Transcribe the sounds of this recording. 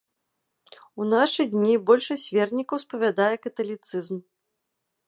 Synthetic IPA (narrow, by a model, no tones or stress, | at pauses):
unaʂɨd̪ʲnʲibɔlʲʂɐsʲvʲɛrnʲikɐwspɐvʲad̪ajɛkɐt̪ɐlʲit̪sɨzm